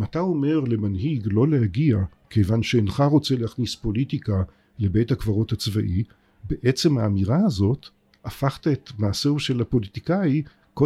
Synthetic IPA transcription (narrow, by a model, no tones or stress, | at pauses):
matao̞me̞ʁle̞manɦiɡlo̞lehaɡiake̞jvanʃeːnχaʁo̞t͡seleaχnispo̞litika | le̞be̞jthakvaʁo̞that͡sva̰ʔi | beʔet͡se̞mhaːmiʁaazo̞t | afaχt̪aetmaːseuʃe̞lapo̞lit̪ikaji | ko